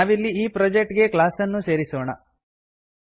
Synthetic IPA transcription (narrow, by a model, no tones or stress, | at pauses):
aːʋilːiiːpɾɐd͡ʒek̚ʈɡe̞klaːsɐnːuse̞ːɾisoːɳɐ̰